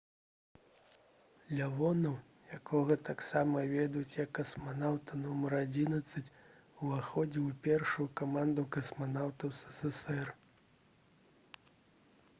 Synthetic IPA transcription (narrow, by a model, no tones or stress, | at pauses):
lʲavɔnɐw | jakɔɣɐt̪aksamɐvʲɛd̪ut͡sʲjɐkːɐsmanawt̪ɐnɔmɐɾad͡zʲinɐt̪sːɐt͡sʲ | uvaxɔd͡zʲɛwpʲɛrʂujukamand̪ukɐsmanawt̪ɐwsɛ̥sɛsɛr